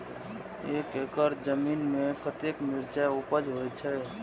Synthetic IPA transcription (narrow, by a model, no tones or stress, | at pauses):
eːkekəɾd͡ʒəminmẽkət̪ekmɪɾt͡ʃaupəd͡ʒɦojt͡ʃʰɛ